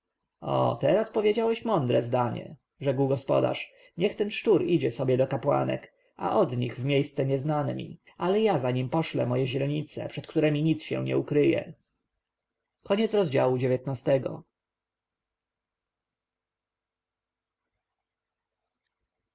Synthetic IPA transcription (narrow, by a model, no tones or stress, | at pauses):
ɔ̰t̪ɛɾaspɔvʲjed͡ʑawɛɕmɔnd̪ɾɛzd̪aɲɛ̰ | ʐɛɡwɡɔspɔ̰d̪a̰ʂ | ɲɛxt̪ɛnʂtuɾid͡ʑɛsɔbʲjɛd̪ɔkapwa̰nɛ̰k | ʔa̰ʔɔd̪ɲiɣvmʲjejst̪sɛɲɛznanɛ̰mʲḭ | alɛjazaɲimpɔʂlɛmɔjɛʑɾɛɲit̪sɛ̰pʂɛt̪kt̪uɾɛmʲiɲit̪sɕɛ̰̃ɲɛ̰ukɾɘjɛ̰ | kɔɲɛtsɾɔzd͡ʑa̰wud͡ʑevʲjɛt̪nast̪ɛɡɔ̰